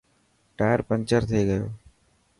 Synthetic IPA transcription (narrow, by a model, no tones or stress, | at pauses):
ʈaːjəɾpənt͡ʃəɾt̪ʰeːɡəjoː